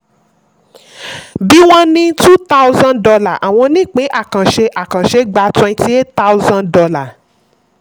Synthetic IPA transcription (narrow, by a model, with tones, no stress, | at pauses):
bi˨˦w̃ɔ̃˦nĩ˧tu˦t̪a˦wzã˦ndɔ˧la˦˨ʔa̰˨w̃ɔ̃˧nĩ˦˨k͡pe˨˦ʔa˦˨kã˨ʃe˧ʔa˨kã˨ʃe˨˦ɡ͡ba˧twɛ̃˧nti˦e˦tta˦wzã˧ndɔ˧la˦˨